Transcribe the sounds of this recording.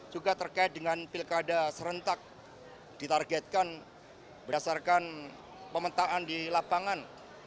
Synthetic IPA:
d͡ʒuɡat̪ərkaɪt̪̚dəŋanpilkadasəɾənt̪ak̚ | d̥it̪arɡɛt̪̚kan | bədasarkan | pəmət̪aʔandilapaŋan

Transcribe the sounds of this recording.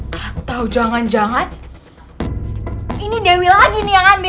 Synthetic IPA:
at̪awd͡ʒaŋand͡ʒaŋan | inidewilaɡinijaŋambɪ

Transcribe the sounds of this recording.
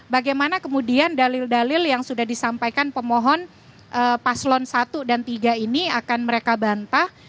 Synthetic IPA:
baɡajmanakəmudiandalɪldalɪljaŋsudahdisampajkanpəmɔɦɔn | ʔəpaslɔnsat̪udant̪iɡainiakanməɾekabant̪ah

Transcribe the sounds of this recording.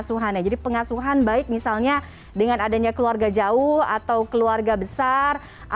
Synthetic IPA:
suɦanad͡ʒadipəŋasuɦanbaɪk̚misalɲa | dəŋanadaɲakəluarɡad͡ʒaʊha̰t̪awkəluarɡabəsar | ʔa

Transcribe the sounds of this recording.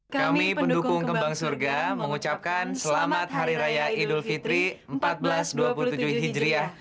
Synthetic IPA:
kkamipəndukʊŋkəmbaŋsurɡaməŋut͡ʃap̚kansəlamat̪̚ɦaɾiɾajaidulfit̪ɾiəmpat̪̚bəlasduapulut̪ud͡ʒuhɦid͡ʒɾiah

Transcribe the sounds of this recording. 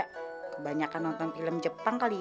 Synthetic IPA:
aʔkəbaɲakanːɔnt̪ɔnfiləmd͡ʒəpaŋkali

